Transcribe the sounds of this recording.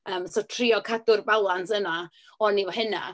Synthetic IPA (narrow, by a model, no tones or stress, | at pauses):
əːmsotʰriɔkʰadʊrbalˠansəna | ɔnivɔhɪna̰